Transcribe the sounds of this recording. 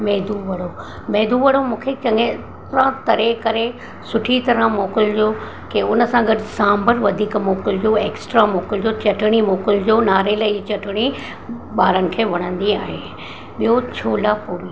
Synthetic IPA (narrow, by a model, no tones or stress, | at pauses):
mɛːd̪ʱuʋɐɽ̤o | meːd̪uʋɐɽomũːkʰet͡ɕɐ̃ŋɡẽ | t̪ɾãt̪ɐɾekɐɾe | sʊʈʰit̪ɐɾə̃moːkɪld͡ʑoː | keʊnəsãɡɐɖsãːmbəɾʋɐd̪ʱiːkmoːkɪld͡ʑoːeːksʈɾamoːkɪld͡ʑot͡ɕɐʈʰɪɽ̃imoːkɪld͡ʑoːnaːɾeləit͡ɕɐʈʰɪɽ̃i | ɓaːɾənɪ̆kʰeːʋɐɽ̃ə̃nd̪iaːɦeː | ɓijot͡ɕʰoːlaːpuːɾi